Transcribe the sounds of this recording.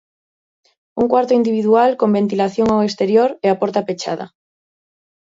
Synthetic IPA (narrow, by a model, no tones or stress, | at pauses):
uŋkwaɾt̪oind̪iβ̞iðualkombẽ̞nt̪ilaθjoŋawest̪eɾjoɾeapoɾt̪apet͡ʃa̰ða̰